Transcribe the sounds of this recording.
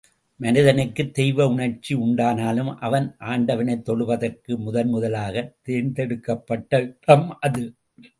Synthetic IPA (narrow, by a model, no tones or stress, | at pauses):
mɐnɪðɐnɐkːɯt̪ːɛjʋɐʊɳɐɾt͡ʃːiʊɳɖaːnaːlɯmʔɐʋɐnʔaːɳɖɐʋɐnɐɪt̪ːɔɭɯʋɐðɐrkɯmʊðɐnmʊðɐlaːɣɐt̪eːnt̪ɛɽɯkːɐpːɐʈːɐt̪ɐmʔɐðɯ